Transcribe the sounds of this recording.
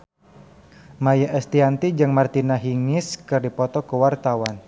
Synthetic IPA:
majaʔɛst̪iant̪id͡ʒɨŋmart̪inaɦiŋɪskɨrdipɔt̪ɔkəwart̪awan

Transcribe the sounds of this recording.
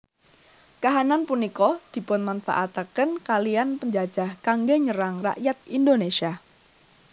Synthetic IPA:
kaɦananpunikɔd̪̥i̤pʊnmanfa̰ʔat̪akənkalianpəɲd͡ʒad̥d͡ʒ̥a̤hkaŋɡeɲəɾaŋra̰ʔjat̪̚indonesia

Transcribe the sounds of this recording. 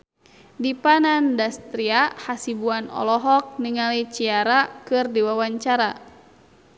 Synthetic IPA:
dipanandast̪ɾiahasibuanɔ̰lɔɦɔk̚niŋalit͡ʃiaɾakɨrdiwawaɲt͡ʃaɾa

